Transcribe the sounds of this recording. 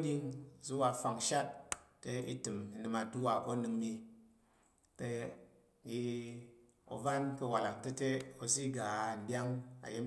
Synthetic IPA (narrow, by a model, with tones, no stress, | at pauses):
dʲi˦ŋ˨zu˦wa˧fa˨ŋ˨ʃa˦t̚ːe˦ḭ˦tɨ˨mi˨nɨ˧ma˧tu˦wa˨ko˦nɨ˧ŋmi˧ | te˧˦ | ji˧ | o̰˨va˦nkə˧wa˨la˨kte˦te˦o˧s̬i˦ɡa˨n˨dʲa˦ŋa̰˨je˦m